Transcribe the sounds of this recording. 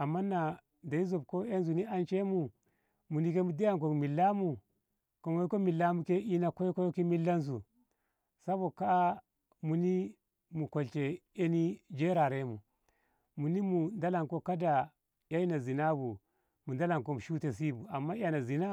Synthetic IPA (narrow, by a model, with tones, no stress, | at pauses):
a˨mːa˦nːa˨ | da˨i˦zo˨b̚ko˦e˦nzu˨ni˦a˦nt͡ʃe˦mu˨ | mu˨ni˦ke˦mu˨de˦ja˦ŋk̬o˨kmi˨lːa˦mu˨ | ko˨mo˦ko˦mi˨lːa˦mu˦ke˦i˦na˨ko˦jko˦jo˦ki˦mi˦lːa˦ns̬u˨ | sa˦bo˨ka˦ | mu˨ni˦ | mu˨ko˨lt͡ʃe˨e˦ni˦d͡ʒe˦ɾa˨ɾe˦mu˨ | mu˨ni˦mu˨nda˦la˨ŋko˦ka˦da˨ | ja˦i˦na˨zi˨na˦bu˨ | mu˨nda˦la˨ŋko˦mu˨ʃu˦te˨s̬i˦bu˨a˨mːa˦ja˨na˨zi˨na˦